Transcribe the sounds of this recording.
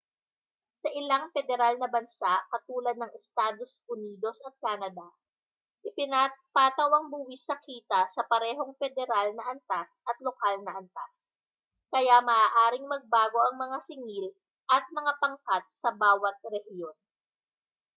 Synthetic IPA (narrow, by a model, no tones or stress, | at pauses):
sɐʔɪlaŋfɛd̪ɛɾalnɐbɐnsaʔkɐt̪uːlɐd̪̚nɐŋʔɛst̪aːd̪o̞sʔʊniːd̪o̞sɐt̪̚kaːnɐd̪a | ʔɪpɪnapaːt̪ɐwɐŋbuːwɪsːɐkiːt̪ɐsɐpɐɾɛːɦo̞ŋfɛd̪ɛɾalnɐʔɐnt̪asʔɐt̪lokalnɐʔɐnt̪as | kɐjamɐʔaːʔaːɾɪŋmɐɡ̚baːɡo̞ʔɐŋmɐŋasɪŋil | ʔɐt̪̚mɐŋapɐŋkat̪̚sɐbaːwɐt̪̚ɾɛhjon